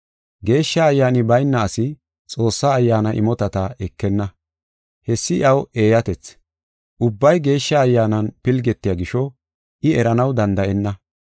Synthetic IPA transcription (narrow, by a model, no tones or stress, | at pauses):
ɡe̞ːʃːɐːjːaːnɪbɐjnːɐːsɪ | t͡sʼo̞ːsːaːjːaːnɐʔɪ̰mɔt̪ɐt̪ɐʔɛkːɛnːɐ | hɛsːɪʔɐwe̞ːjɐt̪ɛt͡s | ʔʊbːɐjɡe̞ːʃːɐːjːaːnɐnpɪlɡɛt̪ːɪjaːɡɪʃɔ | ʔɪɛɾɐnɐwd̪ɐnd̪ɐʔɛnːɐ